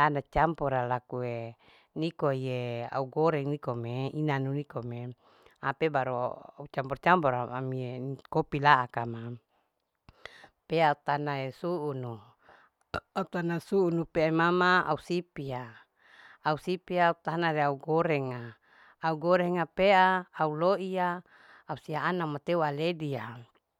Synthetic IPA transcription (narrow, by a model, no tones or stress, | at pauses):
anat͡ʃampɔɾalakue | nikoijea̰uɡoɾɛŋnikomeinanunikome | apebaɾo̰a̰ut͡ʃampɔrt͡ʃampɔɾaamiekopilaʔakama | peaut̪anaesuʔːnu | aut̪anasuunupeaimamaa̰usipia | ausipiaut̪anaɾeauɡoɾɛŋaː | uɡoɾɛŋapeaːuloʔiaː | usiaːnamat̪ewaledia